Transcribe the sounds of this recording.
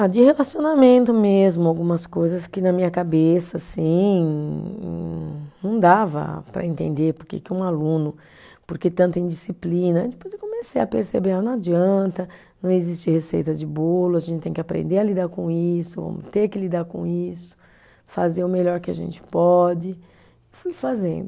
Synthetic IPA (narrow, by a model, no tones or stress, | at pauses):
ad͡ʒɪhelasionamẽnt̪ʊmezmʊawɡũmɐskojzɐskɪnɐmĩɲɐkabesɐsĩ | nɐ̃w̃d̪avɐ̰pɾɐ̰ẽnt̪ḛ̃nd̪eɾpoɾkḛkɪũalũnʊ | poɾket̪ɐ̃nt̪ʊẽj̃d͡ʒisiplĩnɐẽt͡ʃɪpozd͡ʒɪkõmesejɐpeɾsebeanɐ̃w̃ad͡ʒiɐ̃nt̪ɐ | nɐ̃w̃ezist͡ʃɪhesejt̪ɐd͡ʒɪbolʊaʒẽntt͡ʃɪt̪ẽj̃kɪapɾḛ̃nd̪eɾɐlid̪aɾkõisʊvɐ̰̃mʊt̪eɾkɪlid̪aɾkõ̰isʊ̥ | fazeʊmeʎɔɾkɪaʒḛ̃nt͡ʃɪ̥pɔd͡ʒɪ | ɪfujfazḛ̃nd̪ʊ